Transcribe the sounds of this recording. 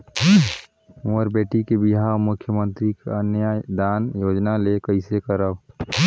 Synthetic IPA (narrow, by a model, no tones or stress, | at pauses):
əɾbeːʈikebiɦaomʊkʰːjəmə̃nt̪ɾikḛənjad̪anjoːd͡ʒnalekəɪsekəɾəb